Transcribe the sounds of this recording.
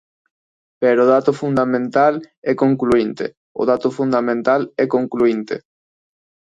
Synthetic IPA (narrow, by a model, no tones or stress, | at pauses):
pɛɾʊðat̪ʊfund̪amẽnt̪alɛkoŋkluint̪ɪ̰ | ʊ̰ðat̪ʊfund̪amẽnt̪alɛkoŋkluint̪ɪ̰